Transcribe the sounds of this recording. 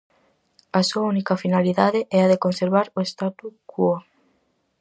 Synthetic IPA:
ɐsuaunikɐfinaliðaðɪʔɛɐaðekonseɾβaɾoest̪at̪ukuo

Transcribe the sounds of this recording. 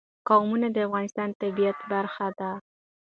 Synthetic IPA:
qɑwmunad̪əafɣɑnɪst̪ɑnt̪abijat̪baɾxad̪a

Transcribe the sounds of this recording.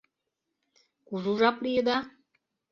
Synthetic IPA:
kuʒuʒaplijed̪a

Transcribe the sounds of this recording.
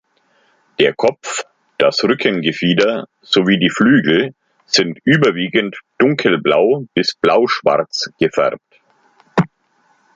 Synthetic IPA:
d̥eːɐkʰɔp͡f | d̥asʁʏkʰənɡəfiːdɐ | z̥oviːdiːflyːɡl̩ | z̥ɪntʔyːbɐviːɡəntd̥ʊŋkʰl̩blaʊb̥ɪsb̥laʊʃv̥a̰ʁt͡sɡ̥əfɛ̰ʁp̚t

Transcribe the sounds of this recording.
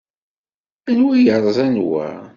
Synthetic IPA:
ænwijəɾˤzænwæ̰

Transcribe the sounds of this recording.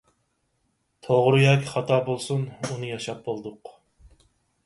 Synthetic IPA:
t̪ʰoʁɾɨjɑkʲʰiχɑt̪ʰɑːbolˠsununɨjɑʃɑp̚bolˠd̪ʊq

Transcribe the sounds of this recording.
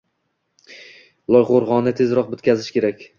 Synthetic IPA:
lˠɒjʁoɾʁɒnːɪt̪ʰe̞zɾɒq̚bɵt̪kʲazɪʃkʲe̞ɾakʲ

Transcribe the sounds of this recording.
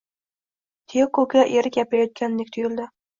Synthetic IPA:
t̪ʰekokʲaʔeɾɪkʲjapajɒt̪̚kʲanlɪk̚ʲt̪ʰʊjɪld̪ɪ

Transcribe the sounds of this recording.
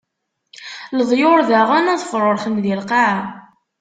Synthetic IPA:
ləðˤjoɾðæʁænæðˤfɾˤoɾˤχənðilqaʕ

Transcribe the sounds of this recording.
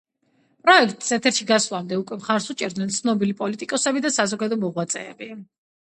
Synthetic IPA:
pʼɾɔɛkʰt̪ʼsɛt̪ʰɛɾʃiɡasvlˠamd̪ɛukʼwɛmχaɾsut͡ʃʼɛɾd̪nɛnt̪sʰnɔbilipʼɔlit̪ʼikʼɔsɛbid̪asazɔɡad̪ɔmɔʁwat̪sʼɛ̰ːbi

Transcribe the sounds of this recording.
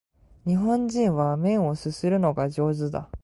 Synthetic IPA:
ɲ̟iɦõ̞ɲd͡ʑĩɰ̃βamẽ̞ɰ̃o̞sɨsɨɾɯ̟no̞ɡaʑo̞ːzɨd̪a̰

